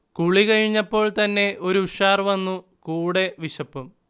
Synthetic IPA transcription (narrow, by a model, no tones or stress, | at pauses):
kuɭikɐɻiɲːɐpːo̞ːɭt̪ɐnːe̞ʔo̞ɾuuɕaːrʋɐnːu | kuːɽe̞ʋiɕɐpːum